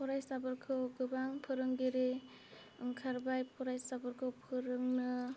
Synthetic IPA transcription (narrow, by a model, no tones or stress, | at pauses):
pʰɔɾajsabɯɾkʰɯwɡɯbaŋpʰɯɾɯŋɡeɾe | ɯŋkʰaɾbajpʰɔɾajsabɯɾkʰɯwpʰɯɾɯŋnɯ